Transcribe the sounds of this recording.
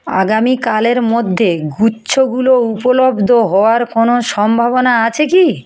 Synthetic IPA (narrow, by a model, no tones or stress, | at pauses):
a̰ɡamikaleɾmod̪ʱːeɡutːɕʰoɡuloupolobd̪ʱoɦɔoaɾkonoʃɔmbʱaβonaat͡ɕʰeki